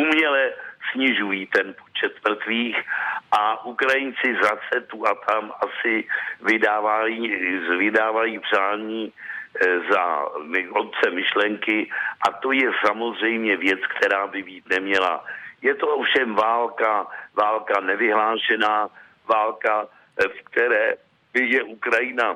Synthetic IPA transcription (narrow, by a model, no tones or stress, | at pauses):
ʔumɲɛlɛsɲɪʒujiːt̪ɛnpo̞t͡ʃɛt̪mr̩t̪viːxʔaʔukɾajɪnt͡sɪzasɛt̪uʔat̪ʰamʔasɪvɪdaːvajiːvɪdaːvajiːpr̝̥aːɲiː | za̰mɪot̪̚t͡sɛmɪʃlɛŋkɪʔat̪o̞jɛsamo̞zr̝ɛjmɲɛvjɛt͡skt̪ʰɛɾaːbɪbiːt̪nɛmɲɛla̰jɛt̪o̞ʔofʃɛmvaːlkavaːlkanɛvɪɦlaːʃɛnaː | vaːlka | fk̚t̪ɛɾɛː | bɪjɛʔukɾajɪna